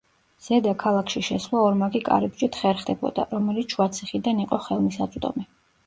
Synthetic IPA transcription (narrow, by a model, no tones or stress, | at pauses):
z̥ɛd̪akʰalˠakʰʃiʃɛslˠaɔɾmaɡikʼa̰ɾɛbd͡ʒit̪ʰχɛɾχd̪ɛbɔ̰d̪a̰ɾɔmɛlit̪sʰʃwat̪sʰiχid̪aniqʼɔχɛlˠmisat̪sʼd̪ɔ̰mɛ